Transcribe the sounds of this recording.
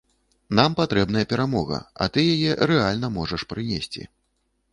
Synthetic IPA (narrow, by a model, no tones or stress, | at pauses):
nampat̪ɾɛbn̪ɐjɐpʲɛɾamɔɣɐ̰ɐ̰t̪ɨjajɛɾɛalʲnɐmɔʐɐʂpɾɨnʲesʲt͡sʲḭ